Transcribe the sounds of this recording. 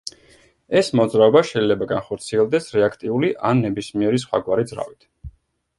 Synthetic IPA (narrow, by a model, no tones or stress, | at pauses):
ɛsmɔd̪zɾaɔbaʃɛilɛbaɡanχɔɾt̪sʰiɛlˠd̪ɛsɾɛakʰt̪ʼiuliʔanːɛbismiɛɾis̬χwa̰ɡwaɾid̪zɾa̰vit̪ʰ